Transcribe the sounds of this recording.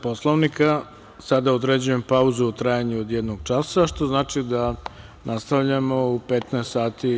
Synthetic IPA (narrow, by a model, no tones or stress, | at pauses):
po̞slˠoʋnika | sad̪aod̪ɾed͡ʑuje̞mpauzuut̪ɾaːjaɲuod̪jed̪noɡ̚t͡ʃasaʃt̪o̞znaːt͡ʃid̪a | nast̪avʎamo̞upet̪nɛest̪saːt̪i